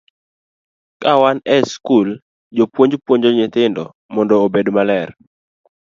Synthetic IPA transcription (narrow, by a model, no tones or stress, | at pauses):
kawanɛskul | d͡ʒopwoɲd͡ʒpwoɲd͡ʒɔɲɪt̪ɪndɔ | mɔndɔːbedmalɛr